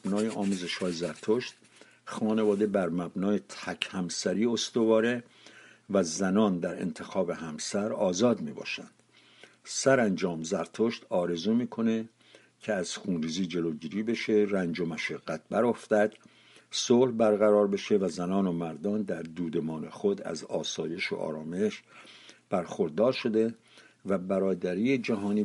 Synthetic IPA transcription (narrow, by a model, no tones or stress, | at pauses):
bnɒːjeʔɒːmuːze̞ʃhɒːjezæɾt̪ʰoʃt̪ | xɒːne̞vɒːd̪e̞bæɾmæbnɒːjet̪ʰækʰhæmsæɾiːost̪ovɒːɾe | væzænɒːnd̪æɾḛnt̪ʰe̞xɒːbe̞ɦæmsæɾɒːzɒːd̪miːbɒ̰ːʃæ̰nd̪̥ | sæɾænd͡ʒɒːmzæɾt̪ʰoʃt̪ɒːɾe̞zuːmiːkʰo̞ne̞ | cʰeæz̥xuːnɾiːziːd͡ʒe̞loːɟiːɾiːbe̞ʃeɾænd͡ʒomæʃeɡːæt̪̚bæɾoft̪æd̪̥ | sohbæɾɣæɾɒːɾbe̞ʃe̞væzænɒːnomæɾd̪ɒːnd̪æɾd̪uːd̪e̞mɒːne̞xod̪æ̰zɒːsɒːje̞ʃo̰ʔɒ̰ːɾɒːme̞ʃb̥æɾxoɾd̪ɒːɾʃo̞d̪e̞ | væbæɾɒːd̪æɾiːed͡ʒæɦɒːniː